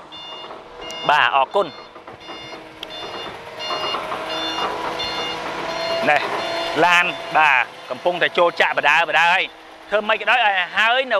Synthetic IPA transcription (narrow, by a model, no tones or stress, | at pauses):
ɓaːʔɑːkʊən | nɛhlaːnɓaː | kɑmpuŋt̪aɛt͡ɕoːlt͡ɕaʔpəɗaəpəɗaəəj | t̪ʰəːməc̚kəɗaːjʔaːɦaəjnɨ